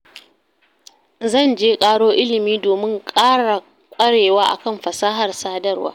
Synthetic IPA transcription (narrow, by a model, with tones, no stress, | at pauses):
zɐ˦˨nd͡ʒeː˦kʼaː˦ɽoː˦ʔɪ˦lɪ˨miː˦doː˨mɪ˦ŋkʼaː˦ɽa˨ | kʷʼɐ˦ɽeː˨waː˦ʔa̰˨kɐ˦˨mɸɐ˨saː˦ɦɐ˨rsaː˦dɐ˦rwa̰ː˦